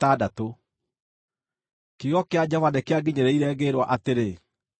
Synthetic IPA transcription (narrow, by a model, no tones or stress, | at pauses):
tadato | kiɣɔkead͡ʑɔvanɛkeaɡiɲeɾeiɾɛːɣeɾwaʔateɾe